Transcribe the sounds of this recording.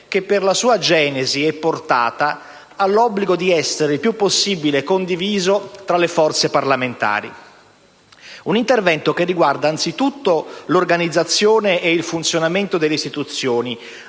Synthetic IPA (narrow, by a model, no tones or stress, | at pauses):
kepːerlasuːad͡ʒɛːneziɛpːort̪a̰ːt̪aː | lːɔbːliɡod̪iɛsːeɾeilpjupːosːibilekond̪iviːzot̪ɾalefɔrt̪separlament̪a̰ːɾḭ | unint̪ervɛnt̪okerːiɡward̪aːnt̪sit̪ut̪ːolorɡanid̪zːat̪sːjoːneʔːilfunt̪sjonament̪od̪elːeist̪it̪ut̪sːjoːni